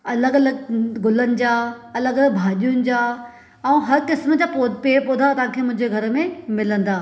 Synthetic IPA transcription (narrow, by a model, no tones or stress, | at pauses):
ɐləɠɐləɡɡʊlənɪ̆d͡ʑaːɐləɡɐləɡ̚bʱaːɗijʊnɪ̆d͡ʑaː | ɛ̃ːɦɐɾkɪsməd͡ʑaːpoːd̪ʱpeːpʊd̪ʱat̪ɐãːkʰeːmʊ̃ɦɪ̃ɲd͡ʑeɡʱɐɾəmẽmɪlə̃nd̪aː